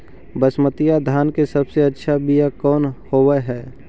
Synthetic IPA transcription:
bəsmət̪ijad̪ʱaːnkesəbseɐtːʃʰabijakɔːnhoːwəɦɛː

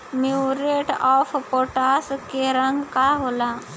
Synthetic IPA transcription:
miwɾeʈɔfpoʈaskeɾəŋɡkaɦola

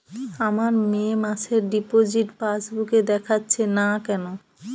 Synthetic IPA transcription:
amaɾmemaʃeɾɖipod͡ʑiʈfasbuked̪ɛkʰatːɕʰenakɛno

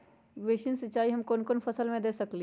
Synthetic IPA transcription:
ʋeːʃɪnsɐt͡ʃːʃaːiɦɐmkoːnkonfʰɐsəlmẽd̪eːsɐkli

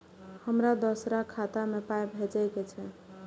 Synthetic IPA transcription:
həmɾad̪əsɾakʰːat̪amepajbʱed͡ʒajket͡ʃʰɛ

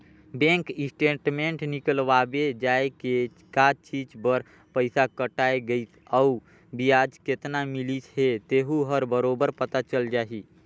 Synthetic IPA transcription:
bẽŋkisʈeʈmeɳʈnikəlʋabed͡ʒaeke | kat͡ʃid͡ʒbəɾ | pəɪsakəʈaeɡəit̪ʰəu | bijad͡ʒket̪namilisɦet̪eɦuɦəɾbəɾobəɾpət̪at͡ʃəld͡ʒaɦi

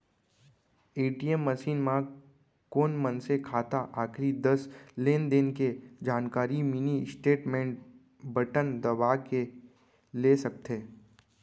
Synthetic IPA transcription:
eːʈiəmːəʃiːnmã | koːnmənsekʰaːt̪aʔaːkʰɾid̪əsleːnd̪enked͡ʒaːnkaːɾimɪnisʈeːʈmẽːɳʈ̚ | bəʈənd̪ɐbaːke | lesɐk̚t̪ʰeː

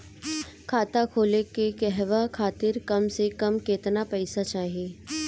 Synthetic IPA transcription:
kʰaːt̪akʰoːlekekɛɦʋakʰaːt̪ɪɾkɐmsekɐmkeːt̪napɛɪsat͡ʃaːɦieː

